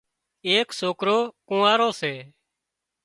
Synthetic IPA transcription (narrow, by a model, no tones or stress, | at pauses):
eːksoːkɾoːkõːaːɾoːseː